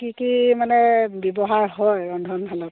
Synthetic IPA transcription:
kikimanɛbɛbɔɦaɹɦɔjɹɔndʱɔnpʰalɔt

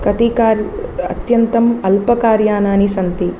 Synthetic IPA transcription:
kɐt̪ikaːɾɐ̰t̪jɐnt̪ɐmɐlpɐkaːɾjaːnaːnisɐnt̪i

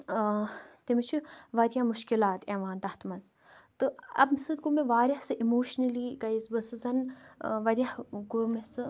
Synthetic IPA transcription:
t̪imit͡ʃʰiʋɐɾijamuʃkilaːt̪eːʋaːnt̪ɐht̪mɐz | t̪ɨɐ̰bmsɨt̪̚ɡumeʋaːɾʲahsɨʔimoːʃnɐliːɡɐisbɨsɨzɐnʋɐɾʲjɐhɡomesɨ

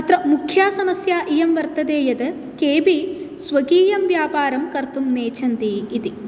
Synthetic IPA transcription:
ɐt̪ɾɐmukʰjaːsɐmɐsjaːʔijɐmʋɐɾt̪ɐd̪eːjɐd̪ɨ | keːbisʋɐɡiːjɐmʋjaːpaːɾɐmkɐɾt̪umneːt͡ʃɐnd̪iːt̪i

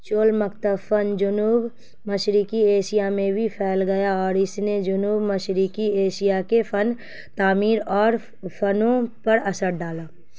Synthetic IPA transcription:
t͡ʃoːlmɐkt̪əfənd͡ʒʊnuːb | məʃɾikieːʃijamẽbʱipʰɛːlɡɐjaɔːɾɪsned͡ʒʊnuːbməʃɾikieːʃijakefʰən | t̪aːmiːɾɔːɾ | pʰɐnõpɐɾɐsəɾɖaːlaː

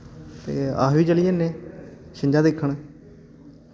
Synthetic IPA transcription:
t̪ḛːa̰ːɦʋiːt͡ʃəlijẽːnẽːʃɪɲd͡ʒãːd̪ekʰːəɳ̃ː

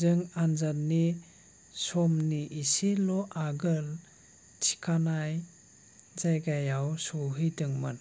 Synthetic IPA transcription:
zɯŋanzatni | sɔmniʔisilɔʔaɡɯl | tʰi̥kʰanaj | zajɡajawsɔɦɯjdɯŋmɯn

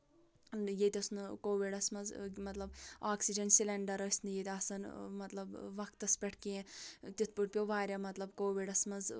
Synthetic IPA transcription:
jet̪ʲɐsnɨkoːʋiɖɐsmɐzmɐt̪lɐb̚aːksid͡ʒɐnsilɐɳɖɐɾɐsʲnɨjet̪ʲɐsɐnmɐt̪lɐbʋɐkt̪ɐspʲɐʈʰkeẽt̪ʲit̪ʰpuʈ̚pʲjoʋaːɾʲjamɐt̪lɐbkoːʋiɖɐsmɐz

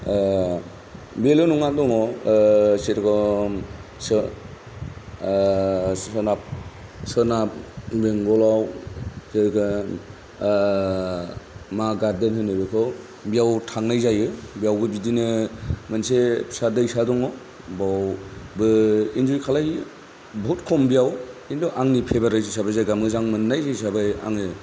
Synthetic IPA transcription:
belonɔŋak̚dɔŋɔ | seɾkʰɔ | s | ɔnap̚sɯnap̚beŋɡɔlawseɾkɯ | maɡadenhɯnɯbɯkʰɯw | bijawtʰaŋnajzajɯbijawɡɯbidinɯmansepʰsadɯjsadɔŋɔ | bawbɯind͡ʒujkʰalaj | bɔɦutkʰɔmbijawindɯʔaŋnipʰebaɾajsisabajzajɡamɡɯzaŋmɯnːajzajsabaja̰ŋɯ

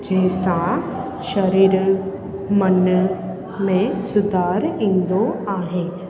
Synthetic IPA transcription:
d͡ʒɛːsã | ʃəɾiːɾ | mən | mẽsʊd̪aːɾĩːnd̪oaːɦẽː

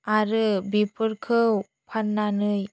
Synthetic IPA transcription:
aɾɯbipʰɯɾkʰɯw | pʰanːanɯj

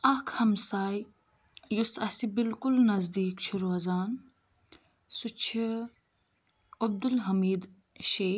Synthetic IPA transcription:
ɐkʰhɐmsaːj | jusɐsibɪlkʊlnɐzd̪iːkʃʰuɾuɐzaːn | sut͡ʃʰi | ɐb̚d̪ulɦɐmiːd̪ | ʃeː

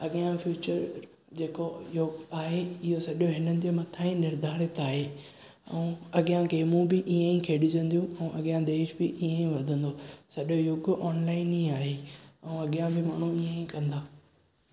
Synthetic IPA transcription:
ɐɠɪjãfjuːt͡ɕəɾ | d͡ʑeːkojʊɡaːɦeɪɦosɐɗoɦɪnənɪ̆d͡ʑeːmɐt̪ʰãːĩnɪɾd̪ʱaːɽet̪ʰaːɦeː | ɛ̰ũɐɠɪjãkʰeːmũːbɪʔiẽĩkʰeːɗʊd͡ʑə̃nd̪ijũɛ̃ʔɐɠɪjãd̪eːɪʃbɪʔiẽĩʋɐd̪ʱə̃nd̪oːsɐɗojʊɡʔɔːnlaːɪnĩaːɦeɛũɐɠɪjãbɪmaːɳ̤ũiẽĩkɐ̃nd̪aː

